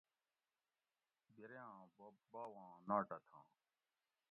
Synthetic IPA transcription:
biɾjãːbaːwãːnaːʈɐt̪ʰã̰ː

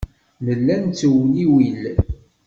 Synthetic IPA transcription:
nəlːænt͡sːəwniwil

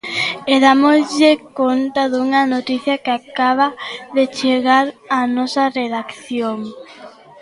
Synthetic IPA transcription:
eðamozʎɪkont̪aðuŋɐnot̪iθjɐkeakaβaðet͡ʃeɣaɾanɔsɐreðakθjoŋ

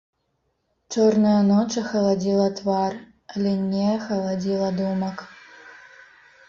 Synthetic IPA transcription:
t͡ʃornɐjɐnot͡ʃɐxɐlˠɐdʲilˠɐt̪vɑr | lʲenʲːejɐxɐlˠɐd͡zʲilˠɐd̪umɐk

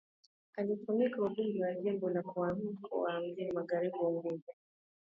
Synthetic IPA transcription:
alifumikauɓumbiwaʄɛmbɔlakuamkʰṵwam̩zimaɣaɾiɓuwamɡuza

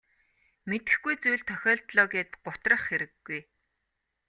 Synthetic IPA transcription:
met̪ɘ̆xɡujt͡sujɮt̪ʰːœxʲɔːɮt̪ɮɔːɣeːt̪̚ɢ̥ʊt̪rə̆χxeɾɘ̆ɡːuj

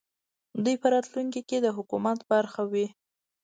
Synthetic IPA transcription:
d̪ujpəɾɑt̪luŋkiked̪əɦʊkumat̪baɾxawi

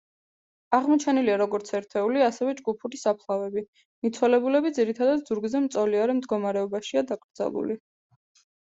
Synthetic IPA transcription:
aʁmɔt͡ʃʰɛniliaɾɔɡɔɾt̪sʰɛɾt̪ʰɛuliasɛvɛd͡ʒɡupʰuɾisapʰlˠavɛbi | mit̪sʰwɛlɛbulɛbid̪ziɾit̪ʰad̪ad̪zuɾɡzɛmt̪sʼɔliaɾɛmd̪ɡɔmaɾɛɔbaʃiad̪akʼɾd̪za̰lˠṵli

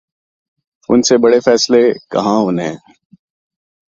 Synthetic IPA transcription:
ʊnsebɐɽefɛːslekɐ̰ɦãʊnɦɛ̰̃ː

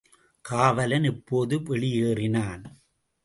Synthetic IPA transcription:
kaːʋɐlɐnɪpːoːðɯpɛɭɪjeːrɪnaːn

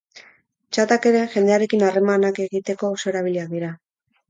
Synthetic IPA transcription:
t͡ʃat̪ake̞ɾe̞ʝe̞nd̪e̞aɾe̞kinare̞manake̞ɣit̪e̞ko̞oso̞eɾaβ̞iliak̚d̪iɾa

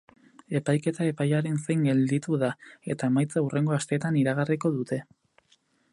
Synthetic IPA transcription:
e̞pajke̞t̪ae̞pajaɾe̞nsejŋɡe̞ld̪it̪uðae̞t̪aemajt͡saure̞ŋɡo̞ast̪e̞ːt̪aniɾaɣ̞ariko̞ðut̪e̞

